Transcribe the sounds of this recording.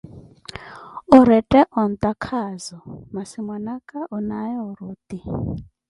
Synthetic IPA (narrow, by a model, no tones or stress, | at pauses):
ɔɾɛtʼɛʔɔnt̪ʼakʰazɔmasimwanakʼaʔunajɔɔɾuːt̪i